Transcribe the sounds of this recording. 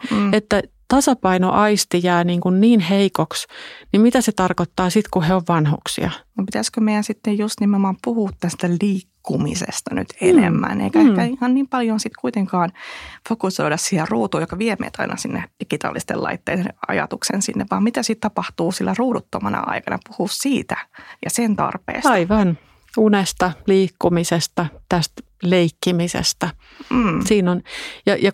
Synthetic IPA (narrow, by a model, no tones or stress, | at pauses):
et̪ːæ | t̪ɑsɑpɑino̰ʔɑist̪ijɑːniːŋkunniːnheikoksnimit̪æset̪ɑrkot̪ːɑːsit̪kuheoʋʋɑnhṵksḭɑnopit̪æskømeijænsit̪ːejjust̪nimeomɑːmpuhuːt̪ːænst̪æliːkːumḭsḛst̪ɑny̰t̪ʰenḛmːæ̰nʔḛikæekæihɑnniːmpɑljonsit̪kuit̪eŋkɑːnfokusoidɑssiherruːt̪uːjokɑʋiemḛːt̪ʰɑinɑsinːed̥ikit̪ɑ̰ːlːist̪ḛlɑ̰it̪ːḛːenɑ̰jɑ̰t̪uksensinːeʋʋɑːmmit̪æsit̪t̪ɑpɑht̪uːsilːæruːdut̪ːomɑnɑ̰ɑ̰ikɑnɑ̰puhussiːt̪æjɑsent̪ɑ̰rpḛːstɑiiʋɑn | unest̪ɑliːkːumisest̪ɑt̪æst̪ | leikːimisḛst̪ɑː | siːnonjɑjɑ